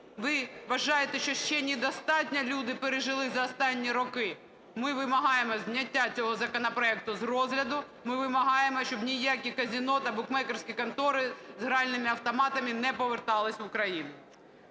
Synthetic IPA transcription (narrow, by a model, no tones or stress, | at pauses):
ʋɪʋɐʒɑjet̪ɛʃt͡ʃɔʃt͡ʃɛnʲid̪ɔst̪ɑtʲnʲɐlʲud̪ɪpeɾeʒɪlˠɪzɐɔst̪ɑnʲːiɾɔkɪ | mɪʋɪmɐɦɑjemɔzʲnʲɐtʲːat͡sʲɔɦɔzɐkɔnɐpɾɔɛk̚t̪ʊzrɔzɦlʲɐd̪ʊ | mɪʋɪmɐɦɑjemɔʃt͡ʃɔbnʲijakʲikɐzʲinɔt̪ɐbʊkmɛkersʲkʲikɐnt̪ɔɾɪzɦɾeɑlʲnɪmɪɐwt̪ɔmɑt̪ɐmɪnɛpɔʋert̪ɑlˠɪsʲʊkɾɐjinʊ